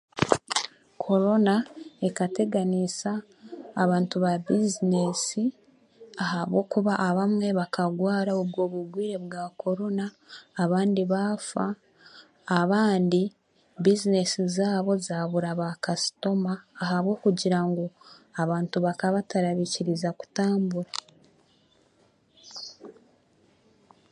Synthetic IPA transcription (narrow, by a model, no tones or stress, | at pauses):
kʰo̞ɾo̞nae̞kate̞ɡanisaː | βaːntuβabizine̞si | ahaβɡo̞kuβaʔaβamŋe̞βakaɡwaːɾaubɡo̞ːβuɡwiːɾe̞βɡaːko̞ɾo̞naː | βaːndiβafaː | βaːndi | bizine̞sizaːβo̞zaːβuɾaβakasi̥to̞maːɦaβwo̞ːkuɟiɾaŋɡo̞aβaːntuβakaβataɾaβiciɾizaku̥taːmbuɾa